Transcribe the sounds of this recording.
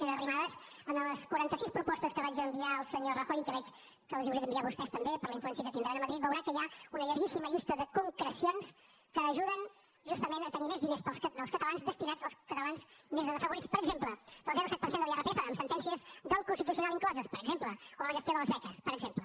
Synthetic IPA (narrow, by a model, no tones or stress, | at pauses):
eərimaðəz | ənləskwuɾant̪əsispɾupɔst̪əskəβad͡ʒəmbiaəlˠsəɲorəxojkəβɛt͡ʃ | kəlˠəziuɾiðəmbiaβust̪ɛst̪əmbepəɾləiɱfluɛnsiəkət̪ind̪ɾanəməðɾit̪bəwɾakəjaunəʎəɾɣisiməʎist̪əðəkuŋkɾəsions | kəːʒuðən | ʒust̪əmenət̪ənimezðinespəlˠsd̪əlskət̪əlanzðəst̪inad͡zəlˠskət̪əlˠanzmezðəzəfəβuɾitt͡spəɾəɡzempləd̪̥əlˠzɛɾusɛt̪̚pəɾsend̪əlˠɛrəpeɛfəːmsənt̪ɛnsiəzd̪əlˠkunst̪it̪usiunalˠiŋklɔzəspəɾəɡzempləoəməʒəst̪joðələzβɛkəspəɾəɡzemplə